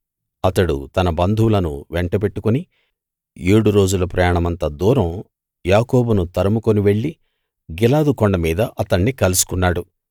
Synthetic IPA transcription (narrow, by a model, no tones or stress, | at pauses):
ɐt̪ɐɽṵt̪ɐnɐbɐnd̪ʱulɐnuʋeɳʈɐbe̞ʈːukuni | eːɽuɾo̞ːd͡ʒulɐpɾɐjaːɳɐmɐnt̪ɐd̪uːɾɐm | jaːkɔːbunut̪ɐɾɐmukoniʋe̞ɭːi | ɡilaːd̪ukɔɳɖɐmiːd̪ɐʔɐt̪ɐɳːikɐlusu̥kunːaːɽu